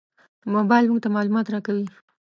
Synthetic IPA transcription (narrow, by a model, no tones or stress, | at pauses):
mobajlmʊŋɡt̪amɑlumɑt̪ɾakawi